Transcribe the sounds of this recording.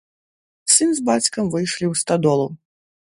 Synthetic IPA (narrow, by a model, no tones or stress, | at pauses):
sɨnzbat͡sʲkɐmvɨjʂlʲiwst̪ad̪ɔlˠu